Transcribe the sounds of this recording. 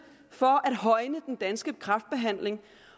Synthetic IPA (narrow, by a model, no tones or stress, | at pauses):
fɒ̽ʔæd̥ɦɒ̽ɪnəd̥end̥ænsɡ̥əkʰʁɑ̈fd̥̚b̥e̝ɦæn̰le̝ŋ